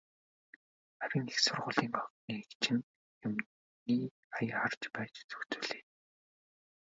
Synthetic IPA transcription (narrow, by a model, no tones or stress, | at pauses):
æɾʲĭŋexsʊrʁʊːɮiːŋɔniːekt͡ɕʰɪ̆n | jʊm | iː | ajχart͡ɕpæːt͡ɕt͡sɵ̥xt͡sɵːɮeː